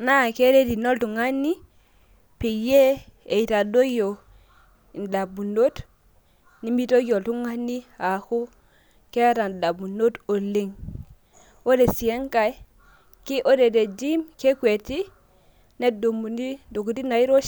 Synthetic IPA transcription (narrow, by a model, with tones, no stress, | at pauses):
na˦˨ke˦ɾe˦di˨no˦ltu˨ŋa˦ni˦ | pi˨je˦e˨i˨ta˨do˦jo˨ | i˨nda˨bu˨no˦t | ni˦mi˦to˦jo˨tu˦ŋa˦ni˦a˨ku˦ | ke˦ta˨nda˨bu˨no˦to˨le˦ŋ | o˦de˨si˨e˦ŋka˦j | ki˦ʔo˦de˨de˨d͡ʒi˦mke˦kwe˨ti˦ | ne˦do˨mu˨ni˦do˨ku˨ti˦na˨i˦ɾo˦